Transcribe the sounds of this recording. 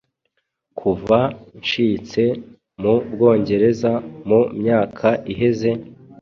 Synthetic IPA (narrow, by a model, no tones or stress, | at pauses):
kʰuvanʃiːt͡se̞ | mub̚ɡo̞ːɲɟe̞ɾe̞zamumɲaːkʰaʔiɦe̞ze̞